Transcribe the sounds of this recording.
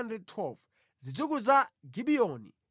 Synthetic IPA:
ndrɛd̚tʰwɛlv | zid͡zuk̬uzaɡiɓiɔnḭ

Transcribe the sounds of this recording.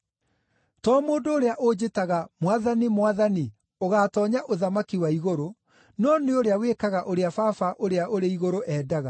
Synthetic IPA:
tɔːmoːndoːɾeaʔod͡ʑetaɣamwaðanimwaðani | oɣaːtɔːɲaʔoðamakiwaiɣoɾo | nɔːneoɾeawekaɣaʔoɾeafafaʔoɾeaʔoɾeiɣoɾoʔɛːdaɣa

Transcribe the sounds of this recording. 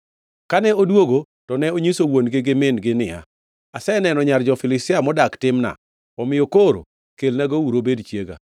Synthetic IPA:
kanɛodwoɡo | tɔnɛoɲisowonɡɪɡɪmɪnɡɪnɪa̰ | asɛnɛnɔɲard͡ʒɔfɪlɪstɪamɔdaktɪmna̰ | ɔmɪjokoɾo̰ | kelnaɡouɾobedt͡ʃjeɡa̰

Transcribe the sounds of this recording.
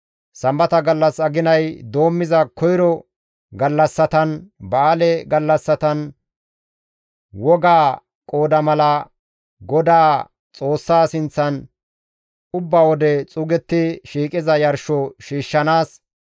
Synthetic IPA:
sɐmbɐt̪ɐɡɐlːɐsɐɡɪnɐjd̪oːmːɪzɐkɔjɾɔ | ɡɐlːɐsːɐt̪ɐnbaːlɛɡɐlːɐsːɐt̪ɐn | wɔɡaː | kʼo̞ːd̪ɐmɐlɐ | ɡɔd̪aː | t͡sʼo̞ːsːaːsɪnt͡sːɐn | ʊbːawɔd̪ɛt͡sʼʊɡɛt̪ːɪʃiːkʼɪzɐjɐɾʃɔʃiːʃːɐnaːs

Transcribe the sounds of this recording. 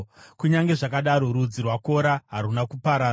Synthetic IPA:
kuɲaŋɡe̞ʐakaɗaɾo̞ɾud͡zirwako̞ɾaɦaɾunakupaɾaː

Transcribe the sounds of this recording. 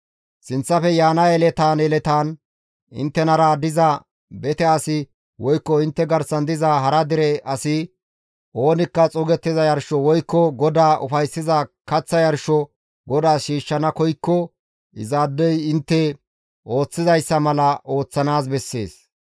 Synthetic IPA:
sɪnt͡sːɐfɛjaːnɐɛlɛt̪aːnɛlɛt̪aːn | ɪ̰nt̪ːɛnɐɾaːd̪ɪzɐ | bɛt̪ɛɐsɪ | wɔjkːɔɪnt̪ːɛɡɐɾsɐnd̪ɪzaɦɐɾɐd̪ɪɾɛɐsɪ | ʔo̞ːnɪkːɐt͡sʼɔɡɛt̪ːɪzɐjɐɾʃɔwɔjkːɔɡɔd̪aːʔʊ̰fɐjsːɪzɐkɐt͡sːɐjɐɾʃɔ | ɡɔd̪aːʃiːʃːɐnɐkɔjkːɔ | ɪ̰zaːd̪ːɛjɪnt̪ːɛ | ʔo̞ːt͡sːɪzɐjsːɐmɐlɐʔo̞ːt͡sːɐnaːs̬bɛsːe̞̰ːs

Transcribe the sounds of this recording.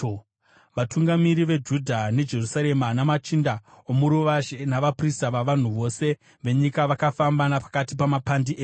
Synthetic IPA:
ʋatuŋɡamiɾiʋe̞d͡ʒudʱane̞d͡ʒe̞rusaɾe̞manamat͡ʃinda | omuɾuʋaʒenaʋapristaʋaʋan̤uʋo̞se̞ | ʋe̞ɲikaʋakafambanapḁkatipamapandiʔeː

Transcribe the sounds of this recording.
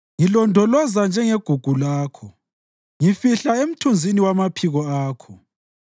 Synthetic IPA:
ŋilɔndʱɔlɔzand͡ʒʱɛŋeɡ̥ʱuɡ̥ʱulaːkʰɔ | ŋifiɬaem̩tʰund͡zʱiniwamapʰiɣɔaːkʰɔ

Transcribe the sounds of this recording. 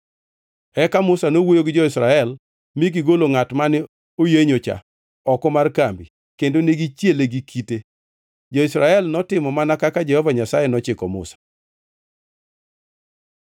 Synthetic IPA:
ɛkamʊsanowojoɡɪd͡ʒɔɪsɾaɛl | miɡɪɡoloŋatmanɪ | ojeɲot͡ʃa̰ | ɔkɔmarkambi | kendoneɡit͡ʃjeleɡikʰite | d͡ʒɔɪsɾaɛlnɔtɪmɔmanakakad͡ʒɛhɔvaɲasajenɔt͡ʃɪkɔmʊ̰sḁ

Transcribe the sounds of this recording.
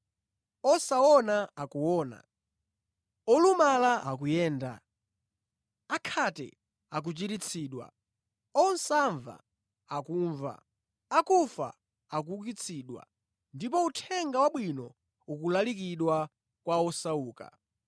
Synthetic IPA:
ɔsaɔnaakuwɔːna̰ | ɔlumalaʔak̬ujɛːnda̰ | akʰatɛ̰ | ak̬ut͡ʃiɾit͡sʰiːɗwa̰ | ɔn̩saɱva̰ | akuːɱva̰ | akufa̰ | ak̬ukit͡sʰiːɗwa̰ | ndip̬ɔutʰɛŋɡawaɓwinɔ | uk̬ulalik̬iɗwa | kwaɔsauːka̰

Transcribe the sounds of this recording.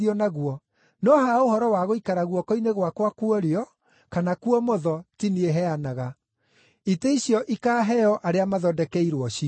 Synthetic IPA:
ɔnaɣuɔ | nɔhaohɔɾɔwaɣoikaɾaɣwɔkɔineɣwakwakwɔɾeɔ | kanakuɔmɔðɔtinieɦɛanaɣa | iteiɕjɔʔikaːɦɛɔʔaɾeamaðɔdɛkɛiɾwɔɕi

